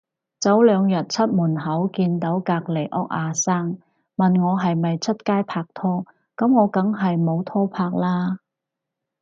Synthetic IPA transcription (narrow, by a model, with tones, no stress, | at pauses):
t͡sɐ˨˥wlœː˨˧ŋjɐ˨t̚t͡sʰɐ˥t̚muː˨˩nɦɐ˨˥wkiː˧nt̪o˨˥wkaː˧k̚le˨˩jʔɔː˥k̚ʔaː˧saː˥ŋ | mɐ˨nŋɔː˨˧ɦɐ˨jmɐ˨jt͡sʰɐ˥t̚kaː˥jpʰaː˧k̚t̪ʰɔː˥ | kɐ˨˥mŋɔː˨˧kɐ˨˥ŋɦɐ˨jmo˨˧wt̪ʰɔː˥pʰaː˧˥k̚laː˥